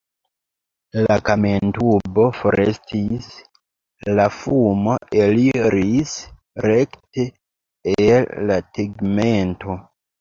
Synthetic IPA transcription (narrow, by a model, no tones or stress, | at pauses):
lakamentubo̞fo̞ɾʔe̞̰stis | lafumo̞e̞liɾis | ɾekte | elːatiɡme̞ntʰo̞